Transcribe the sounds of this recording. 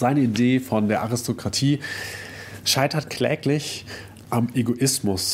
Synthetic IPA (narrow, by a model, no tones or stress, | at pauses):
z̥aɪnəideːfɔndeːɐʔaʁɪstʰokʁ̥atʰiː | ʃaɪtɐtkʰl̥ɛ̰ːklɪç | ʔamʔeɡoʔɪsmʊs